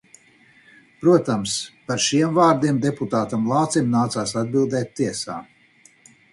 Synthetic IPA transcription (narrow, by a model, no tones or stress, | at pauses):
pɾuɔt̪amspaɾʃiɛmvaːɾd̪iɛmd̪eput̪aːt̪amlˠɑːt̪simnaːt̪saːsad̪̚bilˠd̪ɛːt̪ːiɛsa̰ː